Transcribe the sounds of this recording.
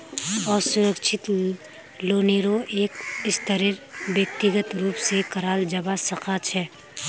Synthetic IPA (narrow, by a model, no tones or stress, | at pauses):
ɔːɾsʊɾəkʃʰɪt̪ | loːneɾoʔeːkɪst̪əɾiɾbjək̚t̪ɪɡət̪ɾuːpsekɐɾaːld͡ʒɐbasɐqʰat͡ʃʰɛː